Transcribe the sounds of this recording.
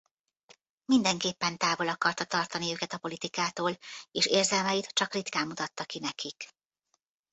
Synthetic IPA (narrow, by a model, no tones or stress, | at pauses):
mind̪ɛŋkeːpːɛnt̪aːvo̞lɒkɒrt̪ɒt̪ɒrt̪ɒniøːkɛt̪ɒpo̞lit̪ikaːt̪oːleːʃeːrzɛlmɛjit̪t͡ʃɒkrit̪kaːmːut̪ɒt̪ːɒkinɛkik